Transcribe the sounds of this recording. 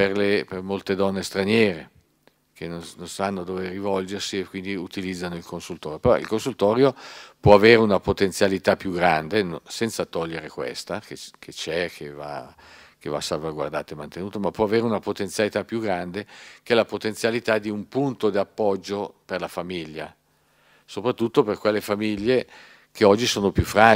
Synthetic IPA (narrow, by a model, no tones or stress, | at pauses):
perlepermolt̪ed̪ɔnːest̪ɾanjɛːɾe | kʰenonnonsanːod̪oːverivɔld͡ʒersiekwind̪iut̪ilid̪zːanoilkonsult̪ɔːɾjopeɾɔʔḭlkonsult̪ɔːɾjopwɔaveːɾeunapot̪ensjalit̪apːjuɡɾand̪enosɛnt̪sat̪ɔʎːeɾekwḛst̪akekʰet͡ʃɛkʰeva̰ | keva̰salvaɡwa̰rd̪a̰ːt̪oemant̪enuːt̪omapːwɔaveːɾeunapot̪ensjalit̪apːjuɡɾand̪ek̟ɛlapot̪ent̪sjalit̪ad̪iumpunt̪od̪iapːɔd͡ʒːoperlafamiʎːa̰ | sopɾat̪ːut̪ːoperkwelːefamiʎːe | keɔd͡ʒːisoːnopjufːɾa